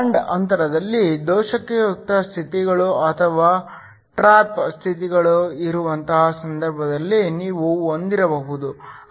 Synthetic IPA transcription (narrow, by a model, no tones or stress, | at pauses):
ɳɖɐnt̪ɐɾɐd̪ɐlːid̪ɔːʃɐkejot̪ːɐst̪ʰit̪iɡɐɭuɐt̪ʰɐʋaː | ʈɾaːpst̪ʰit̪̬iɡɐɭuiɾuʋɐnt̪ɐɦɐsɐnd̪ɐɾbʱɐd̪ɐlːiniːʋuond̪iɾɐbɐɦud̪u